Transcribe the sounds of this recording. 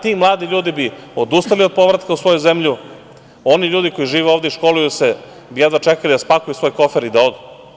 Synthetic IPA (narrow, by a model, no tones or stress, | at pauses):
t̪iːmlˠaːd̪iʎuːd̪ibiod̪ust̪alio̞d̪̚po̞ʋɾat̪kausʋo̞juzemʎu | o̞niʎuːd̪iko̞jiʒiːʋeoːvd̪eʃko̞lujuse | bijed̪ʋat͡ʃekalid̪aspakujusʋo̞jko̞feɾid̪ao̞d̪u